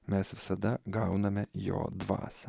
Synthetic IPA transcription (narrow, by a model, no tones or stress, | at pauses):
mʲæːsʋʲɪsɐd̪ɐɡɑʊnɐmʲɛjo̰ːd̪ʋɑ̰ːsɐ